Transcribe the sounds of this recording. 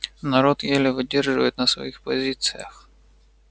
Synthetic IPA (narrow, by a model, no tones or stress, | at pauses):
nɐɾot̪jelʲɪvɨdʲerʐɨvə̰jɪt̪nɐsʋɐ̰ixpɐzʲit̪sɨjəx